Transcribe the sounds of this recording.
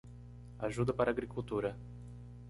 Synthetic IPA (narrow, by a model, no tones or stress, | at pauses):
aʒud̪ɐpaɾaːɡɾikuwt̪uɾɐ